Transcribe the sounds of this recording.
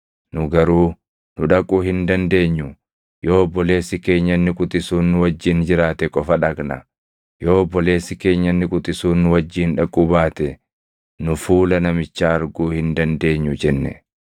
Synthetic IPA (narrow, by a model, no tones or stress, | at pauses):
nʊɡɐɾuː | nʊᶑɐkʼuːhɪnd̪ɐnd̪e̞ːɲːʊ | jo̞ːbːɔleːsɪke̞ːɲːɐnːɪkʼʊt̪ʼɪsuːnːʊwɐd͡ʒːiːnd͡ʒɪɾaːt̪ɛkʼɔfɐᶑɐɡnɐ̰ | jo̞ːbːɔle̞ːsɪke̞ːɲːɐnːɪkʼʊt̪ʼɪsuːnːʊwɐd͡ʒːiːnᶑɐkʼːʊbaːt̪ɛ | nʊfuːlɐnɐmɪt͡ʃːaːɐɾɡuːhɪnd̪ɐnd̪e̞ːɲːʊd͡ʒɛnːɛ̰